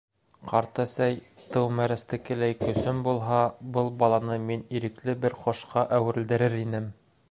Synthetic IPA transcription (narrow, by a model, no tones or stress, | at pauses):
qɑɾt̪ɤsæjt̪ɤwmæɾæst̪ɘ̆kɘ̆læjkɵ̆sɵmbulˠɦɑbɤlˠbɑlˠɑnɤminiɾɘ̆klɘbɘɾχŏʃqɑʔæwɘ̆ɾ̆ld̪ɘ̆ɾɘɾinɘm